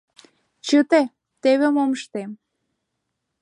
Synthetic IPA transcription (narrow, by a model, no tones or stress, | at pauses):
t͡ɕət̪e | t̪eβemoməʃt̪em